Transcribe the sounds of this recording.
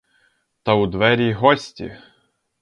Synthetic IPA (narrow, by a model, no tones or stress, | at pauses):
t̪ɐʊd̪ʋɛɾʲiɦɔsʲtʲḭ